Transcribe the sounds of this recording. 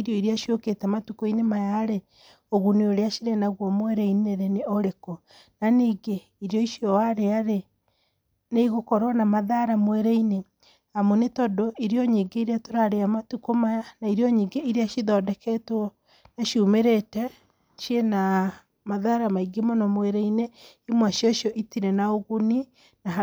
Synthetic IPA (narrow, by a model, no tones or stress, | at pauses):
iɾjɔiɾeaʃioketɛmatukoinemajaːɾe | oɣuneoɾeaʃiɾenaɣwɔmwɛɾɛineɾeneoɾekɔ | naniːɡe | iɾjɔiʃiɔwaɾeaɾe | neiɣokɔɾwɔnamaðaɾamwɛɾɛine | amonetɔdoiɾiɔɲiɡeiɾeatoɾaɾeamatukomajanaiɾjɔɲiːɡeiɾeaʃiðɔːdɛkɛtwɔ | naʃumeɾetɛ | ʃiena | maðaɾamaiɡemonɔmwɛɾɛine | imwaʃiɔʃjɔʔitiɾɛnaoɣuni | na